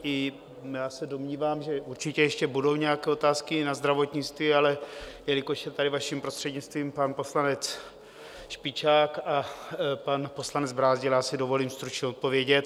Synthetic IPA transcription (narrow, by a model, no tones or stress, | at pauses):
ʔɪ | jaːsɛdo̞mɲiːvaːmʒɛʔuɾt͡ʃɪcɛjɛʃcɛbudo̞wɲɛjakɛːo̞t̪aːskɪnazd̪ɾavo̞t̪ɲɪt͡st̪viːalɛjɛlɪkoʃjɛt̪adɪvaʃimpɾo̞st̪r̥ɛdɲɪt͡st̪viːmpanpo̞slanɛt͡s | ʃpɪt͡ʃaːkapanpo̞slanɛd͡zbɾaːzɟɪljaːsɪdo̞vo̞liːmst̪ɾut͡ʃɲɛo̞t̪̚po̞vjɛɟɛt̪